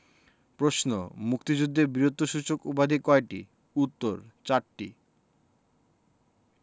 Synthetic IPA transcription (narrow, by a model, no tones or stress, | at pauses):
pɾosno̰mukt̪id͡ʑud̪ʱːeɾbɾiɾot̪ːoʃut͡ɕokubad̪ʱikɔeʈḭ | ut̪ːoɾt͡ɕaɾʈḭ